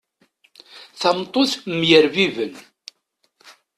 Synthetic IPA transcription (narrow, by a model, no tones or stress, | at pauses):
θɑmt̪ˤoθmjəɾvivən